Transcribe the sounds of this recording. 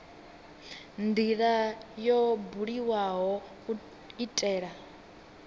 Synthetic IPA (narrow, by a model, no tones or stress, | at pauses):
ndiɺajɔbuɺiwaɦɔ | itʼɛːɺa